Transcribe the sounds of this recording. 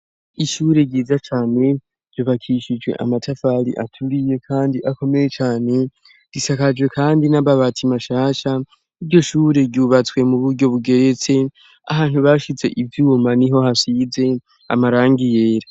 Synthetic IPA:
iʃuːɾe̞ɟiːzat͡ʃaːne̞ | ɾjoβakʰiʃid͡ʒwe̞̰ʔa̰matʰafaɾḭʔatʰuɾije̞kʰaːndiʔako̞me̞je̞t͡ʃaːne̞ | d̥isakad͡ʒwe̞kʰaːndinaβaβatʰimaʃaːʃa | iɾɟo̞ʃuːɾe̞ɾɟuβat͡swe̞muβuɾɟo̞βuɡe̞ɾe̞t͡se̞ | a̰haːn̥huβaʃit͡se̞̰ʔivjuːmaniɦo̞ɦasiːze̞ | a̰maɾaːŋɡije̞ːɾa

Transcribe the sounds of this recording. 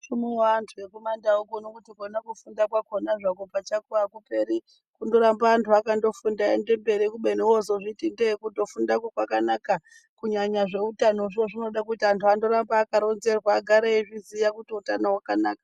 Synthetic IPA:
ʂumiwaːntʰuje̞komandaukonokutikonakufundakwakonaʐakopat͡ʃakuakupe̞ɾi | kundo̞ɾambaːntʰuakando̞fundaḛnde̞mbe̞ɾikuɓe̞niwozoʐitindekundo̞fundakokwakanaka | kuɲaɲaʐe̞utanoʐioʐino̞ɗakutiantʰuando̞ɾambaːkaɾo̞nze̞rwaːɡʱaɾeiʐizijakutiutanowakanaːkḁ

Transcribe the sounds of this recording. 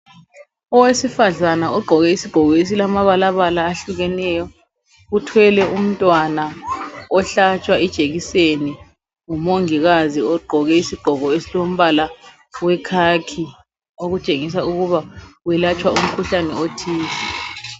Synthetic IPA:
ɔwesifaɮanaɔɡ͡ǃʱɔɣɛisiɡ̥ʱɔɣɔes̬ilamaβalaβalaːɬuɣɛnɛjɔ | utʰwɛlɛum̩tʼwanaɔɬat͡ʃʼwaɛd̥ʒ̥ʱʼeɣiseni | ŋumoŋiɣaziɔɡ͡ǃʱɔɣɛisiɡ͡ǃ̥ʱɔɣɔesilom̩βala | wɛkʰaːkʰi | oɣut͡ʃʼeŋis̬auɣuβauwɛlat͡ʃʼwaum̩kʰuɬanɛotʰiːsɛ

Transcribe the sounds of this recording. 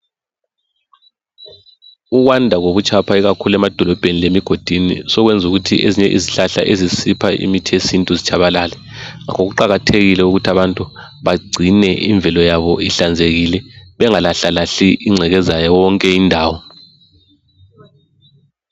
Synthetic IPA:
uɣwandʱaɣoβut͡ʃʰʼapʰaiɣakʰulɛmad̥ʱɔlɔb̥ʱenilemiɡ̥ʱod̥ʱinḭsɔɣwɛnd͡zʱuɣutʰiʔeziɲɛʔḭziɬaɬa̰ʔezisipʰaʔḭmitʰiesintʼuzit͡ʃʰaβalaːlɛŋa̰kʰoɣuǃaɣatʰeɣilɛuɣutʰaβantʼu | βaɡ͡ǀʱinɛʔḭɱbvʱɛlɔjaβɔiɬand͡zʱeɣilɛβɛŋalaɬalaɬiʔiŋ͡ǀʱɛɣɛzajɔwɔŋkʼɛindʱaːwɔ

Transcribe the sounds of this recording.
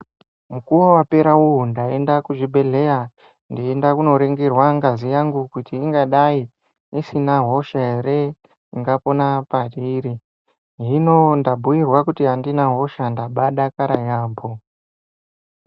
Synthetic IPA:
mukuwowape̞ɾauwundae̞ndakuʐibʱe̞ɮe̞ja | ndiendakuno̞ɾeŋɡerwaŋɡazijaŋɡukutiːŋɡaɗai | isinaɦo̞ʃaɦeɾe̞ | iŋɡapo̞napaɗiːɾi | ɦinondabʱujirwakutiɦandinaɦo̞ʃandaɓaɗakaɾajaːmbo

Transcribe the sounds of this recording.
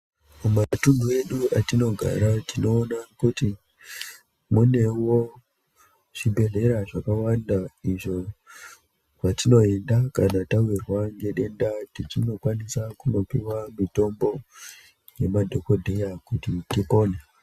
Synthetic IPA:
mumatundue̞ɗuatino̞ɡʱa̰ɾatino̞ːnakuti | mune̞wo̞ | ʐ̥ibʱe̞ɮe̞ɾaʐakawandaiʐo̞ | ʐatino̞e̞ndakanatawirwaŋɡe̞ɗe̞ndatit͡ʃino̞kwanisakuno̞piwamito̞mbo̞ | je̞madʱoko̞dʱejakutitipo̞ːne

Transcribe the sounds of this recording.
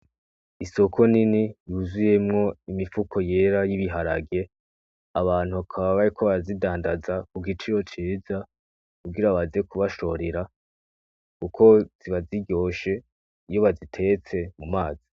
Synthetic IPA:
iso̞kʰo̞ninijuːzuje̞mŋo̞imifukʰo̞je̞ɾajiβiɦaɾa̰ɡe̞ | aβaːn̥huakʰaβaβaɾikʰo̞βazidaːndazakuɡit͡ʃiɾo̞t͡ʃiːza | kubɡiɾaβaziekuβaʃo̞ɾeɾa | kukʰo̞z̥iβaziɟo̞ːʃe̞ | ijo̞βazitʰe̞t͡se̞mumaːz̥i

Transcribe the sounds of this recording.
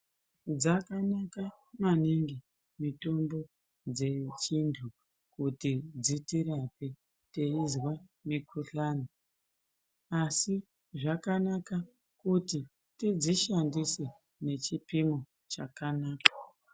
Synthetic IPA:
d͡zakanaka | maniŋɡi | mito̞mbo̞ | d͡ze̞t͡ʃintʰu | kutid͡zitiɾape̞ | teizwamikʰuɬaːni | asi | ʐakanaka | kuti | tid͡ziʃandise | ne̞t͡ʃipimo | t͡ʃakanaːkḁ

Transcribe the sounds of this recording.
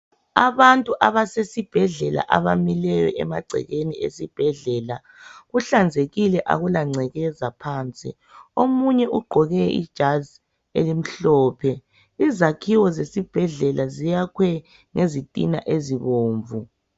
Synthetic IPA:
aβantʼuʔaβasesib̥ʱɛɮɛla̰ʔaβamilɛjɔ̰ʔɛ̰maɡ͡ǀʱɛ̰ɣeniḛsib̥ʱɛɮɛːla | ɣuɬand͡zʱeɣilɛʔa̰ɣulaŋ͡ǀʱɛɣɛzapʰaːnt͡sʼḭ | omuɲɛʔuɡ͡ǃʱɔɣɛḭd̥ʒ̥ʱazi | ḛlim̩ɬɔːpʰɛ | izakʰiwɔzesib̥ʱɛɮɛlazijakʰwɛ | ŋezitʼḭna̰ʔeziβoːɱvu

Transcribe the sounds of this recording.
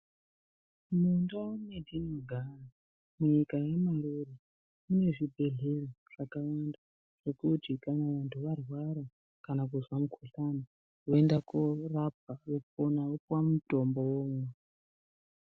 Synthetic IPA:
mundaunedʱinoɡʱara | muɲikajemaŋɡuri | ine̞ʐibʱe̞ɮeroʐ̥akawanda | ʐ̥e̞kutikanaʋantʰuʋarwaɾa | kanak̬uzwamukʰoɬana | woendakorap̚aokuponaokwamuto̞mbo̞woːmwe

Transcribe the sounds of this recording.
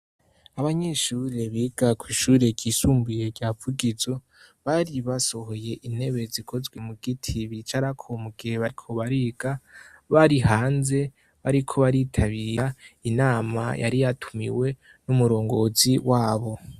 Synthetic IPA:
aβaɲeʃuːɾe̞βiɡ̥akwiːʃuːɾe̞ɟiːsuːmbujeɟavuɡizo̞ | βaɾiβaso̞ho̞je̞ʔin̥he̞βe̞zikʰo̞zɡwe̞muɡ̥itʰiβit͡ʃaɾakʰomuɡ̥iheβaɾikʰo̞βaɾiɡ̥aβaɾihaːnze̞ | βaɾikʰo̞βaɾitʰaβiːjainaːma̰jʔa̰ɾijatʰumḭwe̞ | numuɾo̞ːŋɡo̞ziwaːβo̞

